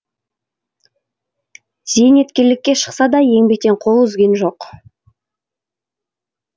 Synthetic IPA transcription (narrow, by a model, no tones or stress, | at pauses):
z̥ejne̞t̪kʲe̞ɾlɪkʲːe̞ʃə̥qsɑd̪ɑje̞ŋbek̚t̪e̞ɴqʰo̞lˠʏzɡʲe̞nʒo̞q